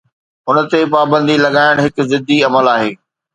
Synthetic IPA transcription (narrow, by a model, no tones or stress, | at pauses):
ʊnət̪epaːbə̃nd̪ilɐɠaːɪɽ̃ɦɪkzɪd̪ʱːiɐməlaːɦeː